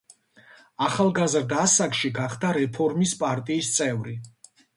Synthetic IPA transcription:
aχalˠɡazɾd̪asakʼʃiɡaχd̪aɾɛpʰɔɾmispʼaɾt̪ʼiːst̪sʼɛvɾi

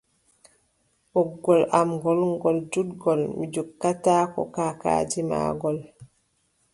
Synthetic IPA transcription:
ʔɔɡːɔlʔamɡɔlŋɡɔld͡ʒudɡɔlmid͡ʒukːataːkɔ̰kaːka̰ːd͡ʒima̰ːɡɔl

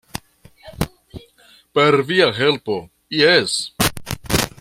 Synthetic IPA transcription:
peɾviaɦe̞lpo̞ | jes

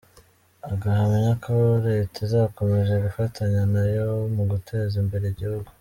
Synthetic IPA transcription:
aɡaɦamiɲakʰoɾetizaːko̞me̞ʒeɡufatʰaɲanajomuɡutʰe̞zimbe̞ɾe̞iɟihuɡu

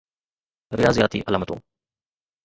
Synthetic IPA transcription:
ɾɪjaːzijaːt̪ḭːʔɐlaːmət̪õ̰ː

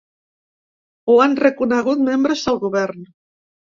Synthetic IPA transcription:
oanrekunaɣut̪membɾesalɣuβeɾn

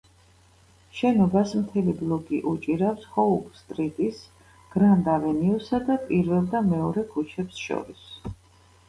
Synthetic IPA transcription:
ʃɛnɔbasmt̪ʰɛliblˠɔɡiʔut͡ʃʼiɾafshɔubst̪ʼɾit̪ʼis | ɡ̥ɾand̪avɛniusad̪apʼiɾvɛlˠd̪amɛɔɾɛkʰut͡ʃʰɛpsʃɔ̰ɾis

